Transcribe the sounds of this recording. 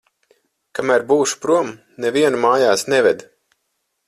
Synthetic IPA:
kamæɾbuːʃu̥pɾuɔm | nɛviɛnumaːjaːsnɛvɛd̪

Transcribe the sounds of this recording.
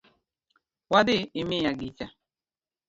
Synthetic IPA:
wadɪɪmɪjaɡit͡ʃa

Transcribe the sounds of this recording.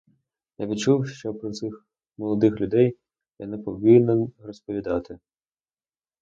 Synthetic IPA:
jaʋʲid̪t͡ʃuwʃt͡ʃɔpɾɔt̪sɪx | mɔlˠɔd̪ɪxlʲʊd̪ɛj | janɛpɔʋɪnenrɔspɔʋʲid̪ɑt̪ɪ

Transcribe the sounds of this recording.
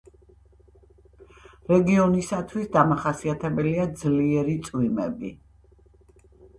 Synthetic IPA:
ɾɛɡiɔnisat̪ʰwisd̪amaχasiat̪ʰɛbɛliad̪zliɛɾit̪sʼwimɛ̰bḭ

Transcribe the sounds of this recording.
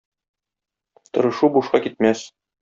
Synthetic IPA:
t̪ŏɾɤ̆ʃubuʃqɑkit̪̚mæs

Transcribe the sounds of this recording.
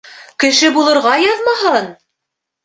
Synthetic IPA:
kɘ̆ʃɘbulˠɤ̆ɾʁɑjɑðmɑɦɤn

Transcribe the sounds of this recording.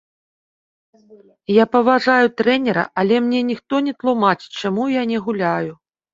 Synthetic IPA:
japɐvaʐajut̪ɾɛnʲɛɾɐ̰ʔɐlʲɛmnʲɛnʲixt̪ɔnʲɛt̪lˠumat͡ʃt͡ʂamujanʲɛɣulʲaju

